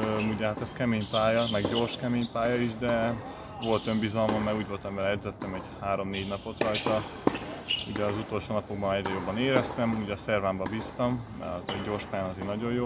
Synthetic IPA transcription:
uɟɛɦat̪ɛskɛmeːɲpaːjɒmɛɡɟo̞ːrʃkɛmeːɲpaːjɒiʒd̪ɛ | ʋo̞lt̪ø̞mbizɒlmɒmːɛuːɟʋo̞lt̪ɛmbɛlɛd̪zɛt̪ːɛmɛɟhaːɾomneːɟnɒpo̞t̪rɒjt̪ɒ | uɟɛɒzut̪o̞lʃoːnɒpo̞ɡ̚bɒnɛɟɾɛjo̞bːɒneːɾɛst̪ɛmuɟɛɒsɛrvaːmbɒbiːst̪ɒmmɛ̰ɒzɛɟo̞ːrʃpaːjanɒzeːnɒɟo̞jjoː

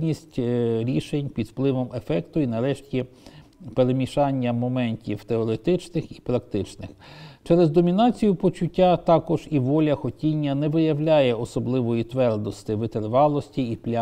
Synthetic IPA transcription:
nʲisʲtʲɾʲiʃenʲpʲid̪wplˠɪʋɔmefɛkt̪ʊinɐɾɛʃtʲi | peɾemʲiʃɑnʲːɐmɔmɛnʲtʲiwt̪eɔɾe̞t̪ɪt͡ʃnɪxipɾɐk̚t̪ɪt͡ʃnɪxt͡ʃɛɾezd̪ɔmʲinɑt͡sʲijʊpɔt͡ʃʊtʲːat̪ɑkɔʒ̥iʋɔlʲɐxɔtʲinʲːɐnɛʋɪjɐwlʲajɛɔsɔblˠɪʋɔjit̪ʋɛrd̪ɔst̪ɪʋɪt̪erʋɑlˠɔsʲtʲiiplʲa

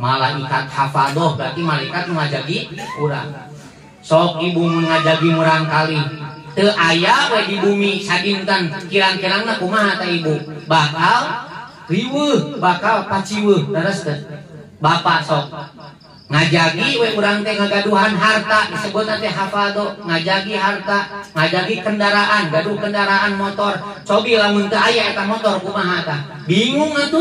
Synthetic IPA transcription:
malaikat̪̚hafadɔhɡat̪imalaikat̪̚nuŋad͡ʒaɡiuɾa̰ŋ | sɔk̚ibumiŋad͡ʒaɡimuɾaŋkali | t̪əʔajawɛdibumisadint̪ənkiɾaŋkiɾaŋnakumaɦat̪aibubakal | riwəhbakalpat͡ʃiwəhnəɾəst̪ət̪̚ | bapasɔk̚ | ŋad͡ʒaɡiwɛuɾaŋt̪ɛŋaɡaduɦanɦart̪adisəbut̪at̪ɛɦafaldɔŋad͡ʒaɡiɦart̪aŋad͡ʒaɡikəndaɾaʔanɡaduhkəndaɾaʔanmɔt̪ɔrt͡ʃɔbilamunt̪əajaɛt̪amɔt̪ɔrkumaɦat̪a | biŋuŋat̪u

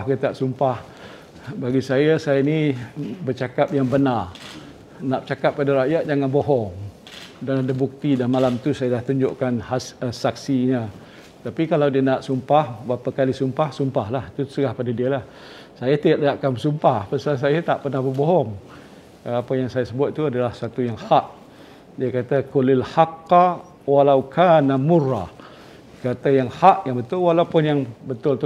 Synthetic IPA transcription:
hɡit̪iaʔsumpah | baɡisajasajanibət͡ʃakap̚jaŋbənar | naʔt͡ʃakap̚ːadaɾajaʔ̪̚d͡ʒaŋanboɦɔŋ | danadabuk̚t̪idanmalamt̪usajadaht̪uɲd͡ʒoʔkanhasəsaksiɲa | t̪apikalawdiənaʔsumpahbapakalisumpahsumpahlahit̪usəɡahpadadiəlah | sajat̪iaʔdaaʔkanməsumpahpəsans̬ajat̪aʔpərnahbəboɦɔŋ | apajaŋsajasəbʊt̪̚tːuadalahsat̪ujaŋhaʔ | diakat̪akʊlalħaqː | walawkʰaːnamʊrːɑ | kat̪ajaŋhaʔjaŋbət̪ʊlwalawpʊnjaŋbət̪ʊlt̪u

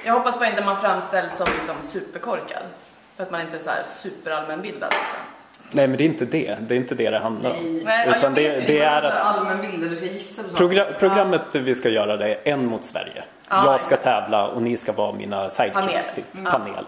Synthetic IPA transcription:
jɑːɡhɔpːasbɑːɾɪnt̪əɔmanfɾamːst̪ɛlːsɔmlɪksɔmsʉ̟ːpəɾkʰɔɾka̰d̪ | fœɾat̪manɪnt̪əɛsæ̰ɾsʉ̟ːpəɾalmɛnbɪld̪a̰d̪lɪ̰ksɔ̰m | nɛjmɛnd̪ɛːɪnt̪əd̪ɛd̪ɛːɾɪnt̪əd̪ɛd̪ɛɦand̪laɾɔ̰mnɛʉ̟ːt̪and̪ɛd̪ɛæɾaalmɛnbɪld̪d̪ɛsajɪsːad̪ɛspɾʊɡɾapʰɾʊɡɾamːət̪vɪskajœːɾad̪ɛɛnːmʊt̪svæ̰ɾjə̰ | jɑːɡskat̪ʰɛːvla̰ɔ̰nɪskavɑ̰ːmḭːnasajd̪k̪ʰːst̪ʰpʰanḛːl

